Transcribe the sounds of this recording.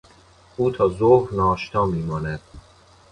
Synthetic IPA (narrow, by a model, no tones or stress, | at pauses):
uːt̪ʰɒːzohɾnɒːʃt̪ʰɒːmiːmɒːnæd̪̥